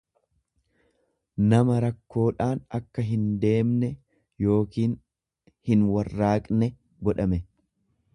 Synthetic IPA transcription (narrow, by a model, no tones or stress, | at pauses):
nɐmɐɾɐkːo̞ːᶑaːnɐkːɐɦɪnd̪e̞ːmnɛ | jo̞ːkiːn | hɪnwɐrːaːkʼnɛ | ɡɔᶑɐmɛ